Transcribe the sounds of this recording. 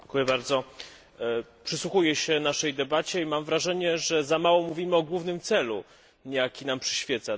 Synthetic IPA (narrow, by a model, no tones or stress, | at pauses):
ŋkujɛbaɾd̪zɔ | pʂɘswuxujɛɕɛnaʂɛjd̪ɛbat͡ɕɛimamvɾaʐɛɲɛʐɛzamawɔmuvʲimɘɔɡwuvnɘmt̪sɛlu | jakʲinampʂɘɕfʲjɛt̪sa